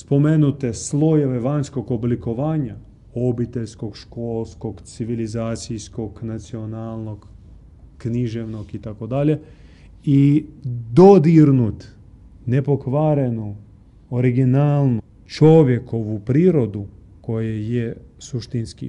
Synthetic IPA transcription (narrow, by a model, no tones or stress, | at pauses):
spo̞menut̪eslˠo̞jeʋe̞ʋaɲsko̞ɡobliko̞ʋaːɲa | o̞bit̪e̞ʎsko̞ɡʃko̞lsko̞ɡt̪siʋilizaːt̪sijsko̞ɡnat̪sio̞naːlˠno̞ɡ | kniʒeʋno̞ɡit̪ako̞d̪aʎe | i | d̪o̞d̪iɾnut̪ | ne̞po̞kʋaːɾe̞nu | oɾiɡinaːlˠnu | t͡ʃo̞ʋjeko̞ʋupɾiːɾo̞d̪u | ko̞jejesuʃt̪inskḭ